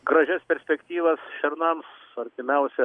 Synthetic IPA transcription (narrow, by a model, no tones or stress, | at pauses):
ɡɾɐʒʲæspʲɛɾʲsʲpʲɛkt̪ʲiːʋɐsʃʲɛɾnɐms | ɐrʲt̪ʲɪmʲɛʊsʲɛ